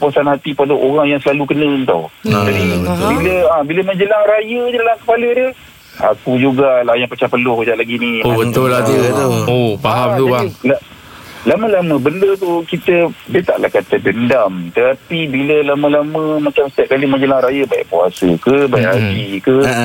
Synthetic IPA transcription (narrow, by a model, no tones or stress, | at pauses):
puasanhɦat̪ipaloʔoɾaŋjaŋsəlalukənənt̪a̰wd͡ʒadibiləãbiləmə̃ɲd͡ʒəlaŋɾajədədalamkəpalədə | a̰kud͡ʒuɡalajaŋpat͡ʃapəlʊhd͡ʒaʔlaɡinibət̪ʊlaut̪uopaɦamt̪uala | lamə̃lamə̃bəndət̪ukit̪ədiət̪aʔlahkat̪ədəndamt̪ət̪apibiləlamə̃lamə̃mat͡ʃamsət̪iap̚kalimə̃ɲd͡ʒəlaŋɾajəbaḭʔpua̰sə̰kəbaj̰ʔa̰d͡ʒikə